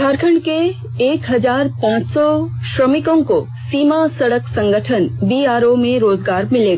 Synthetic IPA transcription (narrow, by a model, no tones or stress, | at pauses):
dʰaːɾkʰə̃ɳɖkeː | kɦɐzaːɾpãːt͡ʃsɔʃɾəmɪkõko | siːmasɐɽəksɐ̃ŋɡəʈʰənbiːaːɾomẽɾoːzɡaːɾmɪleːɡaː